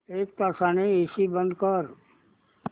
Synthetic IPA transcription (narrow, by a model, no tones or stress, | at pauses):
ek̚t̪ɔsaneisibənd̪kɔɾ